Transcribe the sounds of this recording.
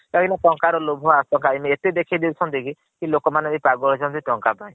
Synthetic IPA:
kakinaʈɔŋkaɾɔlobʱɔasɔŋkaemiet̪ed̪ekʰid̪ewt͡ʃʰɔnt̪iki | kilokɔmanebipaɡɔɾɔt͡ʃʰɔnt̪iʈɔŋkapaj̃

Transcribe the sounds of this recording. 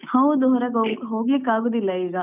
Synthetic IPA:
hɐʋd̪uɦɔɾɐɡoɦoːɡlikːaːɡoːd̪ilːɐiːɡɐ

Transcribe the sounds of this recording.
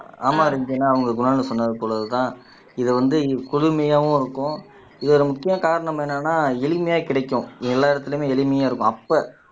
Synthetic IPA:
aːmaːɪɾɪŋɡɐnːaːɐʋɐŋɡɐɡʊnaːlɐsɔnːɐðɯpɔːɭɐðɯt̪ãː | ɪðɛʋɐnd̪ɯkʊɽʊmɐjaːʋʊ̃ɪɾɯkːʊ̃ | ɪðɔɾɯmʊkːɪjɐaːkaːɾɐɳɐmɛnːanːaːɛlɪmɐjaːkɪɽɐɪkːʊ̃ɛlːaːɪɽɐt̪ːɪlmeːɛlɪmɐjaːɪɾɯkːʊ̃ɐpːɐ

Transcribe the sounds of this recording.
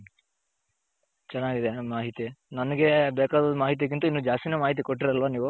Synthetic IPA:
t͡ʃɛnːaːɡid̪emaːɦit̪inɐnɐɡebeːkaːd̪ɐd̪umaːɦit̪̬ijɐk̬int̪uinːuːd͡ʒaːst̪inemaːɦit̪̬ikoʈːiɾɐlʋaniːʋu

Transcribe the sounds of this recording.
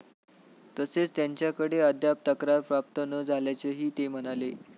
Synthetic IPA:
t̪əset͡st̪jaɲt͡ɕjakəɽeəd̪ʱjap̚t̪əkɾaɾpɾap̚t̪ənəd͡zʱaljat͡seɦiːt̪em̤ənale

